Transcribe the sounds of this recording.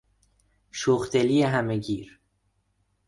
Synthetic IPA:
ʃoxd̪elijeɦæmeɟiːɾ

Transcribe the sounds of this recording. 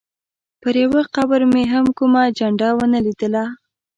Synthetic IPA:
pəɾjawəqawəɾmeɦamkumad͡ʒaɳɖɑwənəlid̪əla

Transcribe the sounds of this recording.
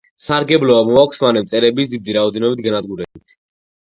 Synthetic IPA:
saɾɡɛblɔamɔakʷʰsmanɛmt̪sʼɛɾɛbisd̪id̪iɾaɔd̪ɛnɔbit̪̚ʰɡanad̪̚ɡuɾɛbit̪ʰ

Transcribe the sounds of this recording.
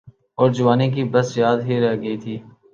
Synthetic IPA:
ɔːɾd͡ʒʊʋaːnek̬ibɐsjaːd̪ɦiɾɛɦɡɐit̪ʰiː

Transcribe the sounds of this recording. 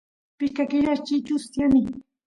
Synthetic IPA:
pɪʃkakɪɾaʃt͡ʃit͡ʃʊsjamɪ

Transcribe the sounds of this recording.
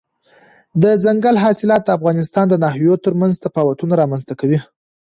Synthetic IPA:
d̪əzaŋɡalɦɑsɪlɑt̪̚d̪əafɣɑnɪst̪ɑnd̪ənaɦjot̪əɾmanzd̪əpɑwat̪unaɾɑmanzt̪akawi

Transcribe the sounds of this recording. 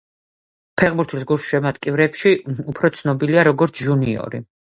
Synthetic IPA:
pʰɛʁbuɾt̪ʰis̬ɡuʃʃɛmat̪ʼkʼivɾɛpʃiupʰɾɔt̪sʰnɔbiliaɾɔɡɔɾt̪sʰʒuniɔ̰ɾḭ

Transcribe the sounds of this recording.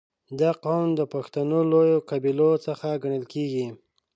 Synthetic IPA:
d̪aqawnd̪əpaxt̪anolojokabilot͡səxaɡaɳəlkeɡi

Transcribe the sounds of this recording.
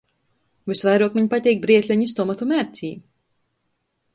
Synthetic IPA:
vɨsvajɾuɔkmiɲpat̪ʲɛːk̚bɾiɛt̪lʲɛɲist̪ɔmat̪umæɾt̪sʲiː

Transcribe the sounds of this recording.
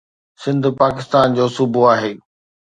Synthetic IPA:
sɪ̃nd̪ʱpaːkɪst̪aːnd͡ʑoːsʊbʱuaːɦeː

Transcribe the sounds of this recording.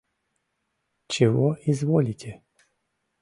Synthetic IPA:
t͡ʃɪɦɔizʋɔlʲit̪ʲɛ

